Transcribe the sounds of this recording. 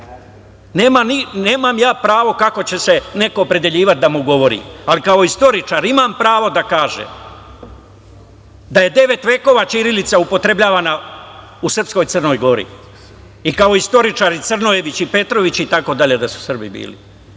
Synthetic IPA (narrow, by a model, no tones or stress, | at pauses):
ne̞ːmanine̞ːmamjaːpɾaːʋo̞kako̞t͡ɕe̞se̞ne̞koːpɾe̞d̪e̞ʎiːʋat̪̚d̪amuɡo̞ʋo̞ɾḭːalikao̞ist̪o̞ɾit͡ʃaɾimampɾaːʋo̞d̪akaːʒḛm | d̪aje̞d̪e̞ʋe̞t̪ʋe̞ːko̞ːʋat͡ʃiɾilit̪saupo̞t̪ɾe̞bʎaːʋaːna | usrpsko̞jt̪sərno̞jɡo̞ɾḭ | ikao̞ist̪o̞ɾit͡ʃaːɾit̪sərnoje̞ʋit͡ɕipe̞t̪ɾo̞ʋit͡ɕit̪ako̞d̪aʎe̞d̪asu̥sr̩bḭbḭːlḭ